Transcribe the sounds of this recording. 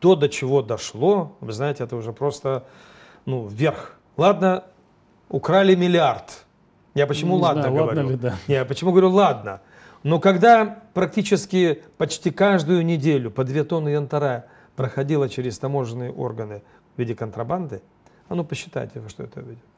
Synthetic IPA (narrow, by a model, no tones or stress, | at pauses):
t̪o̞d̪ət͡ɕɪvo̞d̪ɐʂlˠo̞vɨznajɪtʲɪɛt̪əʊʐɛpɾo̞st̪ə | nuvːʲerx | lˠad̪nə | ʊkɾalʲɪmʲɪlʲɪart̪ | japət͡ɕɪmulˠad̪nəɡəvɐɾʲunʲejapət͡ɕɪmuɡəvɐɾʲulˠad̪nə | no̞kɐɡd̪apɾɐk̚tʲit͡ɕɪskʲɪpɐt͡ɕtʲikaʐd̪ʊjʊnʲɪdʲelʲʊpəd̪vʲet̪o̞nɨjɐnt̪ɐɾa | pɾəxɐdʲilˠət͡ɕɪɾʲɪst̪ɐmo̞ʐɨnɨjəʔo̞̰rɡənɨ | vʲidʲɪkənt̪ɾɐband̪ɨ | ɐnopəɕːɪ̥t̪a̰jɪ̰tʲɪvɨʂt̪oɛ̰t̪əvʲidʲɪ